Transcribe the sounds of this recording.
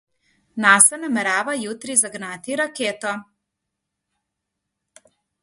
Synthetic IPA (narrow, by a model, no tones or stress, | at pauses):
nasɛnamɛɾaːʋajut̪ɾizaɡnat̪iɾakeːt̪ɔ